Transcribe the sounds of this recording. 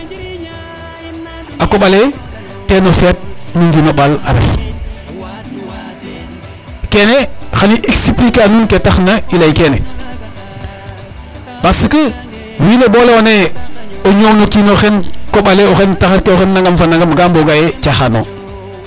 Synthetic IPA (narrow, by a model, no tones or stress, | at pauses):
akoɓale | kenofet̚nuŋɡinoɓala̰ɾḛf | kenexaniʔeksiplikanunketaxnailajkene | basəkə | wineboleoneoɲonokinoxenkoɓaleoxentaxaɾkeoxenːaŋɡamfanːaŋɡamɡamboɡajet͡ʃaxano̰